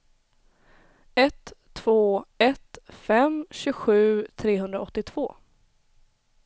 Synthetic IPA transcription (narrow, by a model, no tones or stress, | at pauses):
ɛt̪ʰː | v̥oːɛt̪fɛmɕʉɧʉ̟ːt̪ʰɾeːɦɵnd̪ɾaɔt̪ːɪt̪ʰv̥oː